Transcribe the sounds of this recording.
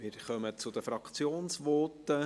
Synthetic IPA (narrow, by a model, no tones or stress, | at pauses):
mɪɾχœmət͡sʊd̪əfɾɑkt͡sjoːnsʋɔːtːə